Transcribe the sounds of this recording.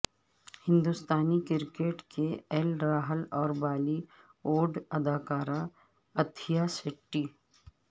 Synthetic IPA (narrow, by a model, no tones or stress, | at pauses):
hɪ̃nd̪ust̪aːnikɪɾkeːʈkʰeɛlɾaːɦəlɔːɾbaːli | oːɾɖɐd̪aːkaːɾa | ɐt̪ʰijasɪʈːiː